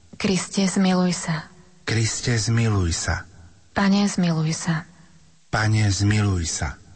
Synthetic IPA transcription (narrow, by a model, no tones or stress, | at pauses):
kɾiscɛzmilujsa | kɾiscɛzmilujsa̰ | paɲɛzmilujsa | paɲɛzmilujsa̰